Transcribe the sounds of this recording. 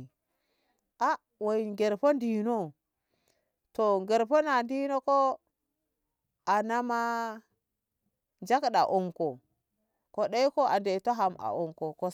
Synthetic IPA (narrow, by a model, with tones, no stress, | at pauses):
a˦ | wo˨ŋɡe˨ɾpo˦ndi˨no˦ | to˨ŋɡe˨ɾpo˦na˨ndi˦no˦ko˦ | a˨na˦ma˦ | nd͡ʒa˦kɗa˨ʔo˨ŋko˨ | ko˦ɗa˦i˦ko˦ʔa˨nde˨to˦ɦa˨ma̰˨ʔo˨ŋko˨ko˦